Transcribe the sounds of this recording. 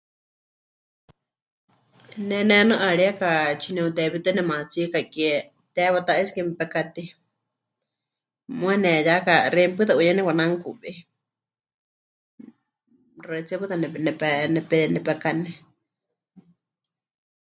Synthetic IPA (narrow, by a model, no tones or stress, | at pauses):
nɛnɛnɨʔaɺiakat͡ʃʰinɛut̪ɛβit̪ɨnɛmat͡sikakiɛ | t̪ɛβat̪aʔiskɛmɛpɛkat̪i | mũɛnɛjakarɛmpɨt̪aʔuɲanɛwanaŋkuʔβi | rat͡sɛβɨðanɛnɛpɛnɛpɛnɛpɛkanɛ